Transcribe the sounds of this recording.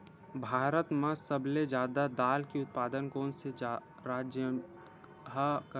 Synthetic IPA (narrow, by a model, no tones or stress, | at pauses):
bʱaːɾət̪mãsəbled͡ʒaːd̪ad̪aːlkiʊt̪̚paːd̪ənkoːnsed͡ʒa | ɾaːd͡ʒjə | ɦk